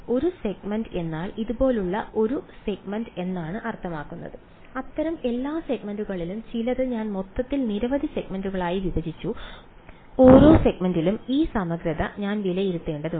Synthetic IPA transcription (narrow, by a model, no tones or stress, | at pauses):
o̞ɾuseɡmɐnde̞nːaːliðubo̞ːluɭːɐ̰o̞ɾuse̞ɡmɐnde̞nːaːɳɨʔɐrt̪ʰɐmaːkːunːɐ̰ðɨ | ɐt̪ːɐɾɐme̞lːaːse̞ɡmɐnduɣɐɭilumt͡ɕilɐðɨɲaːnmo̞t̪ːɐt̪ːilniɾɐʋɐd̪ʱiseɡmɐnduɣɐɭaːjiʋidɐd͡ʑit͡ɕːu | o̞ːɾo̞ːse̞ɡmɐndilumiːsɐmɐɡɾɐðɐɲaːnʋilɐjiɾut̪ːe̞ːɳɖɐðu